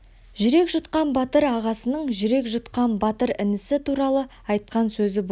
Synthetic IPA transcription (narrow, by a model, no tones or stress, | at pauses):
ʒʏɾe̞kʒʊt̪qɑnbɑt̪əɾɑʁɑsənəɴʒʏɾe̞kʒʊt̪qɑnbɑt̪əɾɪnɪsɪt̪ʰuɾɑlˠə | ɑjt̪̚qɑnsɵzɪb